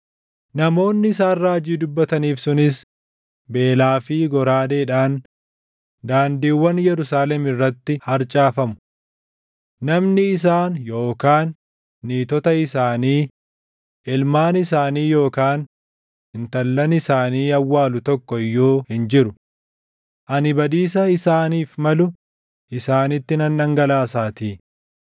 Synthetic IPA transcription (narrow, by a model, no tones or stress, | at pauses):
nɐmo̞ːnːɪɪs̬aːrraːd͡ʒiːd̪ʊbːɐt̪ɐniːfsʊnɪs | be̞ːlaːfiːɡɔɾaːd̪eːᶑaːn | d̪aːnd̪iːwːɐnjɛɾʊsaːlɛmɪrːɐt̪ːɪhɐɾt͡ʃʼaːfɐmʊ̥ | nɐmnɪːs̬aːnjo̞ːkaːnː | iːt̪ɔt̪ɐɪsaːniː | ɪlmaːnɪsaːniːjo̞ːkaːn | ɪnt̪ɐlːɐnɪsaːniːɐwːaːlʊt̪ɔkːɔɪjːoːhɪnd͡ʒɪɾʊ | ʔɐnɪbɐd̪iːs̬ɐɪsaːniːfmɐlʊ | ɪsaːnɪt̪ːɪnɐnːɐŋɡɐlaːsaːt̪iː